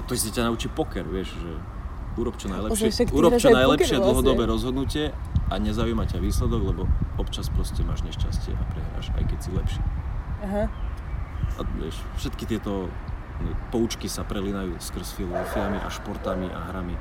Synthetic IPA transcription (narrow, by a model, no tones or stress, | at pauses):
at̪ɔsɛcanaut͡ʃipɔkɛɾʋɪɛʃʒɛ | ʔuːɾɔpt͡ʃɔnajlɛʃɪɛkuːɾɔt͡ʃɔnajlɛʃɪɛd̪l̩ˠɦɔd̪ɔbɛːɾɔzɦɔd̪nucɪɛaɲɛzaujmacaʋiːslɛd̪ɔɡlɛbɔɔpt͡ʃaspɾɔscɛmaːʒɲɛʃcascɪɛ̰ʔapɾɛɦɾa̰ːʃa̰jkɛcsilɛpʃɪɛɦ | a̰ʋɪɛ̰ʃ | fʃɛt̪kit̪ɪɛt̪ɔ | nipɔut͡ʃkisapɾɛlinajuːskr̩sfilˠɔzɔfiamiʔa̰ʃpɔɾt̪amiʔa̰ɦɾami